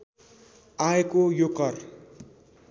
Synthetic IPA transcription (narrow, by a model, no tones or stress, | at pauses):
aekojokʌr